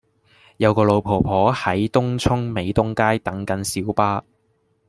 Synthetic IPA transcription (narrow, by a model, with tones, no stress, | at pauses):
jɐ˨˧wkɔː˧lo˨˧wpʰo˨˩wpʰɔː˨˥hɐ˨˥jt̪ʊ˥ŋt͡sʰʊ˥ŋme˨˧jt̪ʊ˥ŋkaː˥jt̪ɐ˨˥ŋkɐ˨˥nsiː˨˥wpaː˥